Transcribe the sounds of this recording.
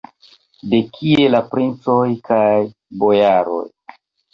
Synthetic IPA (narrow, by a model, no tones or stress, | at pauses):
de̞kʰie̞lapɾint͡so̞jkaj | bo̞jaɾo̞̰j